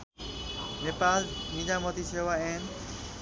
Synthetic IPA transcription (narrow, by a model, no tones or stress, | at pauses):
neːpaːlmĩd͡ʑaːmot̪iseːʋaɛːn